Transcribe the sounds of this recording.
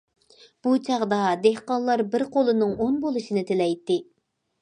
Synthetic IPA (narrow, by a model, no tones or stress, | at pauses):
b̥ut͡ʃʰɑʁd̪ɑd̪ehqɑnlˠːɑɾbɪɾqʰolˠɨnɨŋonbolˠɨʃinɪt̪ʰelɛjt̪ːɪ